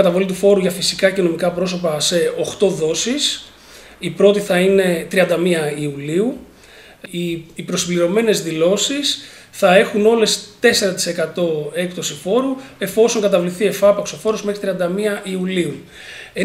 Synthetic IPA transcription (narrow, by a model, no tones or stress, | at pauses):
ɐt̪ɐvo̞lit̪ufo̞ɾuʝɐfisikɐceno̞mikɐpɾo̞s̬o̞pɐse̞o̞xt̪o̞ðo̞sis | ipɾo̞t̪iθɐine̞t̪ɾiɐnd̪ɐmiɐiuliu | iːpɾo̞simbliɾo̞me̞ne̞zðilo̞sis | θɐe̞xuno̞le̞st̪e̞se̞ɾɐt̪i̥se̞kɐt̪o̞e̞kt̪o̞sifo̞ɾue̞fo̞so̞ŋkɐt̪ɐvliθie̞fɐpɐkso̞fo̞ɾo̞zme̞xɾit̪ɾiɐnd̪ɐmiɐʔiuliu | e